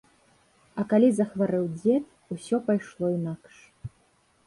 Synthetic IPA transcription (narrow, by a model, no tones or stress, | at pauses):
ɐkalʲizɐxvaɾɨwd͡zʲɛt̪̚ | usʲɔpajʂlˠɔinakʂ